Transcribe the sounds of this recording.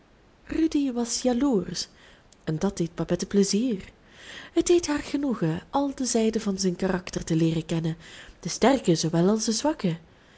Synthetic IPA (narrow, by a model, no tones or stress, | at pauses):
rydiʋɑsjaluːrs | ɛndɑtd̥ejt̚bapɛtəpləziːr | ɦəd̚deːjtɦaːrɣənuɣəɑlˠdəzɛjdəvɑnzɛjnkarɑktərtəlɪːrəkɛnənd̥əstɛrkəzoʋɛlɑlˠsdəzʋɑkə